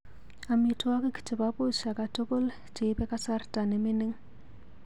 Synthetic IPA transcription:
a˨mi˨tʰʊ˦wa˦kɪ˦ki̥˨tʰʼɪ˨ba˦po˦˨ʃa˨ka˨to˦kʼo˦l | te˨˦bɛ˦kʼa˦sa˦rtʼa˨nɪ˨mɪ˦nɪ˦ŋ

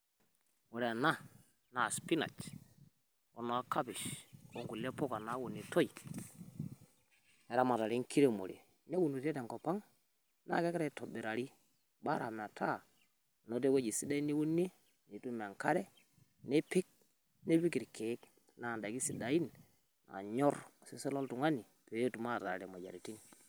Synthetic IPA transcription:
mo˨ɾe˨a˨na˦ | na˨spi˦na̰˨t͡ʃ | o̰˨no˨a˦ka˦bi˨ʃko˦ŋɡu˨le˦po˦ka˨na˦wu˨ni˨to˦i˨ | e˨ɾa˦ma˨ta˨ɾi˦ŋ˦kʰi˦ɾe˦mo̰˨ɾḛ˨ | ne˦wu˨nu˨te˦de˨ŋko˨pa˦ŋ | na̰˦˨ke˦kɾa˦˨to˨bi˨ɾa˨ɾi˦ | ba˦ɾa˨m˨a˨tʰa˦˨ | no˨˦de˦wo˦d͡ʒi˨si˦da˦i˦ni˦wu˦nːe˦ | ni˨tu˦m˨a˨ŋka˦ɾɛ˦ | ne˦pɪ˦k̚ | ne˦pi˦ki˨ɾke˨˦k | na˨nda˨ɡi˦si˨da˨i˦n | na̰˨ɲɔ˦ɾsi˦se˦lɔ˦ltu˨ŋa˦ni˨ | pe˨˦tu˨ma˦˨ta˨ɾɾe˨mo˨ja̰˨ɾi˨ti˦n

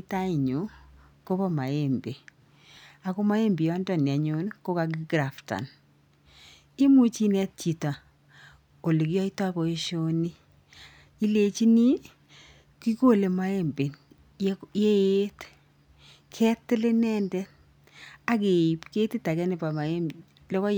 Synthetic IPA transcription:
i˦ta˦i˨ɲu˨˦ | ko˦βɔ˦ma˨e˦mbe˨ | a˨ko˦ma˦e˦mbi˨ɔ˦ndɔ˦˨ni˨a˨ɲo˦nko˦ka˨ɡi˦ɡɾa˨fta̰˨n | i˦mu˦t͡ʃi˦nɛ˦t̚t͡ʃi˨ta˨ | o˨le˨kjɔ˦i˦ta˦βɔ˨e˦ʃo˦ni˦ | i˦le˨t͡ʃi˦ni˦ | ki˦ko˦˨le˨ma˦e˦mbe˨n | je˦e˦t | kʰɛ˦tɪ˦le˦nɛ˦ndɛ˦ | a˦ke˨i˨pke˦ti˦ta˨kɛ˦nɪ˨pa˨ma˨e˦m | lɔ˦kɔ˦

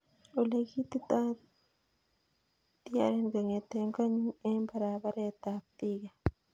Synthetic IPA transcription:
o˨le˧ki˦t̪i˦t̪a˦ | t̪i˦a̰ɾe˦nɡa˨ŋe˨t̪e˨ŋɡa˦ɲi˦ŋe˦mbaɾa˨ba˦ɾe˦t̪a˨p̚t̪i˦ɡa˨

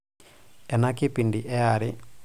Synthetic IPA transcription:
ɛ˨na˦kɪ˦pi˨ndi˨ʔɛ˦a˨ɾɪ

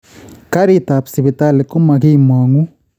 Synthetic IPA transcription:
ka˦ɾi˦ta˨psi˨βi˨ta˦˨li˨ku˦ma˨ki˦mwa˨ŋu˦

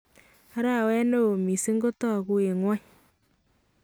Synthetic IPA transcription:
a˦ɾa˦˨wɛ˦no˦o˨mi˨si˦ŋɡo˦tɔ˦˨ku˦e˨ŋwa˦ɲ

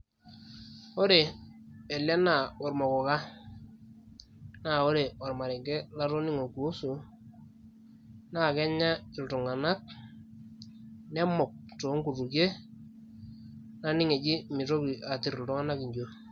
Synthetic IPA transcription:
o˦ɾe˨e˨la˦na˦˨wɔ˨ɾmɔ˨kɔ˨ka˦ | na˦˨o˦ɾe˨wa˨ɾma˨ɾi˨ŋɡe˦la˦ɾo˦ni˦ŋo˨ku˨˦su˨ | na˦˨kɛ˦ɲa˦ɪ˨ltu˨ŋa˨na˦k̚ | nɛ˦mɔ˨k̚to˨˦ŋku˨ru˨kje˦ | na˦nɪ˦ŋe˨d͡ʒɪ˦mɪ˨ɾo˦ki˨ʔa˨ti˨ɾltʊ˦ŋa˦na˦ki˨ɲd͡ʒo˨

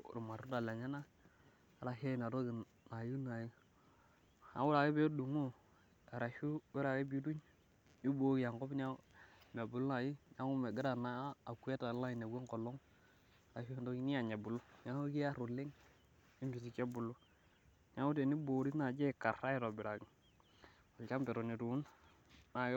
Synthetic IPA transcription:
ɾu˨ma˨ɾu˦da˨la˨ɲa˦na˦˨ | ɾa˨he˦˨na˨ɾo˦ɡi˨ | na˨ju˦na˨ji˦ | ha̰˨wu˦ɾa˨ɡe˦be˦du˨ŋo˦ | a˨ɾa˨ʃu˦we˦ɾa˨ɡe˦bi˦du˦ɲ | i˦boː˦ɡi˦˨ja˨ŋko˦bɲa˦me˨bu˨lu˦na˨ji˦ja˦ŋu˦me˨ɡi˦ɾa˨naː˦˨ku˦e˦ta˨˦la˦i˨ne˨ɡe˦ŋko˨lo˦ŋ˨ | ɾa˨ʃu˦e˦˨do˦ɡi˦ni˦ja˨ɲe˨bu˨lu˦ɲa˦ŋo˦ki˦ja˦ɾu˨le˦ŋ | i˦mbi˨si˨ke˦bu˨lu˦ | ɲa˦ŋu˦te˨ni˦bo˨ɾi˦na˨d͡ʒe˦˨ka˨ɾa˦i˦ɾo˨bi˨ɾa˨ɡi˨ | a˨lka˦mpe˨ɾo˨ni˨tu˨u˦n | na˨˦

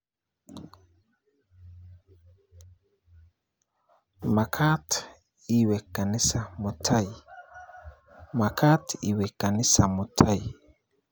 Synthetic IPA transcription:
ma˨kʰa˦t | i˦wɛ˨ka˨ni˦sa˨mu˨tʰa˦i˨ | ma˨kʰa˦tḭ˦wɛ˨ka˨ni˦sa˨mu˨tʰa˦˨i˨

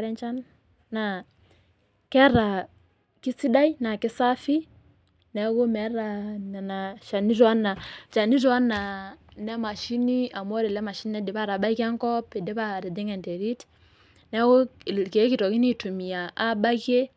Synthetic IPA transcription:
ɾɛ˦nt͡ʃa˦nː | a˨ | kɛ˦ɾa˨ | ki˦si˦da˦jna˨kɪ˦sa˦fi˦ | nɛ˦ɡo˦mɛ˨˦ɾa˨na˨na˨ʃa˨ni˦ɾa˦nːa˨t͡ʃa˨ni˦ɾwa˦nːa˨nɛ˦ma˨ʃi˦ni˦a˨mɔ˦ɾi˨lɛ˦ma˨ʃi˦n˦nɛ˦di˨pa˦ɾa˨ba˦kɛ˦ŋkɔ˦pɛ˨dɛ˦ba˦˨ɾi˨di˦ŋɛ˨ntɛ˨ɾi˦t | nɛ˦ɡo˦˨ke˨˦ki˨tɔ˨ki˦ni˦tu˨mi˨ja˨ʔa˦ba˦ke˦

